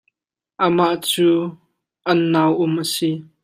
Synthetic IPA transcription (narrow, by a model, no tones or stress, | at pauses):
ʔəmaʔt͡suː | ʔɐnːawʔʊmʔəsi